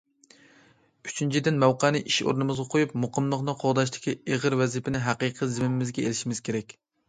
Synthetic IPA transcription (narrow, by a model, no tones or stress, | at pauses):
yt͡ʃʰynt͡ʃʰid̪ɪnmæwqɑnɨʔiʃo̰ɾnɨmɨzʁɑqʰojup̚moqəmlˠəχnɨqʰoʁd̪ɑʃ̬t̪ʰɪ̥kʲieʁəɾwɛzipʰɪnɪɦæqiqʰəzɪmɪmɪmɪzɡʲɛelɪʃimɪz̥kʲʰeɾɛkʲ